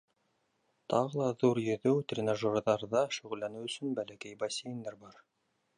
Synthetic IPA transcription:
t̪ʰɑʁɤlˠɑðuɾjɵ̆ðɵwt̪rʲɪnɑʒorðɑɾðɑʃɵ̆ʁɵ̆lːænɘwɵ̆sɵnbælækæjbɑsʲejɘ̆nd̪æɾbɑɾ

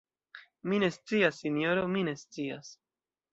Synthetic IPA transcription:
mine̞st͡siasːinjo̞ɾomine̞st͡sia̰s

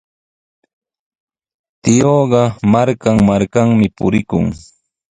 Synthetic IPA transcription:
t̪ɪjoɢɑmaɾkaŋmaɾkaŋmɪpʊ̰ɾɪkʊ̰ŋ

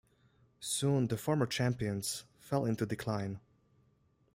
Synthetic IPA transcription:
sũnðəfɔɹmə˞t͡ʃʰæ̃mpiɨ̃nz̥ | fɛlˠɪ̃ntudɨkʰl̥ãɪ̃n

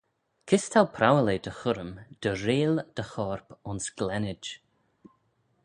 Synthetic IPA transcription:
kʰɪst̪ʰawpʰɾawəled̪əxʊɾəmd̪̥əɾeːld̪̥əxɔːɹpʊnsɡ̥lɛnɪd͡ʒ

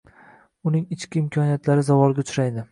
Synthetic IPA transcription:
ʊnɪŋɪt͡ʃkʲɪɪmkʲʰɒnijat̪laɾɪzavɒlˠɡʲaʊt͡ʃɾajd̪ɪ

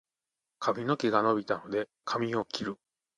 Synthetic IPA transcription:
kʰamʲino̞kʲiɡano̞bʲit̪ano̞d̪e̞ | kʰamʲio̞kʲiɾɯ̟

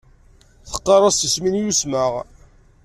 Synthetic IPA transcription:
θə̥qːɑɾˤɑsəsminjusməʁ

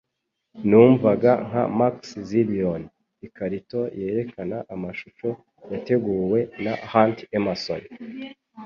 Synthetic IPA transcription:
nuːɱvaɡaŋ̥ha̰makszilion | ikaɾito̞jʔe̞ːɾe̞kanaʔamaʃuʃo̞ | jate̞ɡuːwe̞nahantemaso̰n

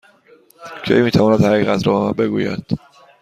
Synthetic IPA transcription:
cʰḛjmiːt̪ʰævɒːnæd̪hæʁiːɣæt̪ɾoæmæbe̞ɡṵːjæ̰d̪̥

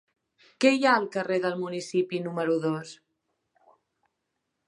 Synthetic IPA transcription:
kɛjaəlˠkəreðəlˠmunisipinuməɾuðos

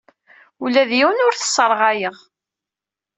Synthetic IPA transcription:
ulæðjiwənʊɾθə̥sˤːəɾˤʁɑjəʁ

